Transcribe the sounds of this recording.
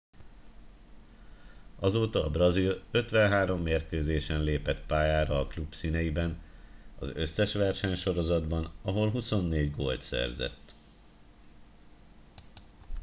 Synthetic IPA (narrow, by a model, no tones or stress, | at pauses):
ɒzoːt̪ɒːbrɒzilø̞t̪ʋɛnɦaːɾo̞mːeːrkøːzeːʃɛnleːpɛt̪paːjaːɾɒːklubsinɛjibɛnɒ̰zø̞̰sːɛʃʋɛrʃɛɲʃo̞ɾo̞zɒd̪bɒnɒɦo̞lɦuso̞nːeːɟɡo̰ːlt̪sɛ̰rzɛ̰t̪ː